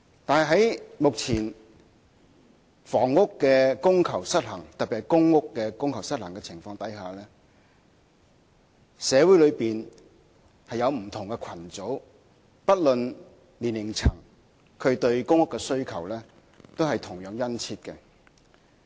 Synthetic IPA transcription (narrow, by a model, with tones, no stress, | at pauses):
t̪aː˨nhɐ˨jɦɐ˨˥jmʊ˨k̚t͡sʰiː˨˩n | fɔː˨˩ŋːʊ˥kːɛː˧kʊ˥ŋkʰɐ˨˩wsɐ˥t̚hɐ˨˩ŋt̪ɐ˨t̚pːi˨kːʊ˥ŋːʊ˥kːɛː˧kʊ˥ŋkʰɐ˨˩wsɐ˥t̚hɐ˨˩ŋkɛ˧t͡sʰɪ˨˩ŋfɔː˧ŋt̪ɐ˨˥jɦaː˨lɛː˥ | sɛː˨˧wu˨˥jlɵ˨˧ɥpiː˨n | hɐ˨jɐ˨˧wm̩˨˩t̪ʰʊ˨˩ŋkɛ˧kʰɐ˨˩nt͡so˨˥w | pɐ˥t̚lɵ˨n | liː˨˩nːɪ˨˩ŋt͡sʰɐ˨˩ŋ | kʰɵ˨˧ɥt̪ɵ˧ɥkʊ˥ŋːʊ˥kːɛ˧sɵ˥ɥkʰɐ˨˩wlɛː˥ | t̪o˥wɦɐ˨jt̪ʰʊ˨˩ŋjœː˨˥ŋjɐ˥nt͡sʰiː˧t̚kɛ˧